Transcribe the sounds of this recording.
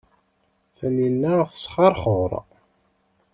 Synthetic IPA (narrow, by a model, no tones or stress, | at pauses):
θæninːæθə̥sˤχɑɾˤχəɾˤ